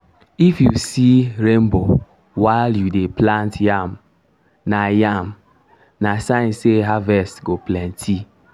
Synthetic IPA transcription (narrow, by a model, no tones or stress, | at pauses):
ifjusiɾembo | waɪljudeplãntjam | najam | nasãnseɦavɛstɡoplɛ̃ntʰi